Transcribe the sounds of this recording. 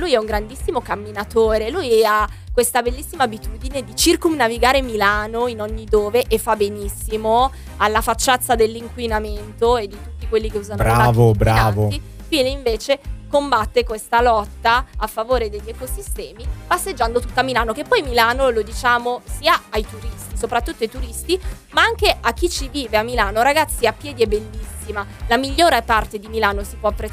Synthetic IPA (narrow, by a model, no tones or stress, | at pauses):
lujɛuŋɡɾand̪isːimokamːinat̪oːɾelujakwest̪abelːisːimaːbit̪uːd̪ined̪it͡ʃirkumnaviɡaːɾemilaːnoinɔɲːid̪oːveʔefːabenisːimo | alːafat͡ʃːat̪sːad̪elːiŋkwinament̪oed̪ːit̪utːikwelːikeuːzanoɾaaːvobɾaaːvoi | fwiːneiɱveːt͡ʃekombat̪ːekwest̪alɔt̪ːaafːavoːɾed̪eʎːɛkosist̪ɛːmipasːed͡ʒːand̪ot̪ut̪ːamilaːnokepːɔjmilaːnolod̪it͡ʃaːmosiːaajt̪uɾist̪isopɾat̪ːut̪ːoajt̪uɾist̪i | maaŋkeak̟ːit͡ʃːiviːveamːilaːnoɾaɡat̪sːiapːjɛːd̪iɛbelːisːimalamiʎːoːɾepart̪ed̪imilaːnosipwɔapːɾet